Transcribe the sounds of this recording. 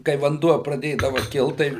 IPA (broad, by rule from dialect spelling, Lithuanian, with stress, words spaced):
kɐɪ ʋɐnˈduɔ prɐˈdʲeːdɐʋɐ ˈkʲɪlˠt ˈtɐɪ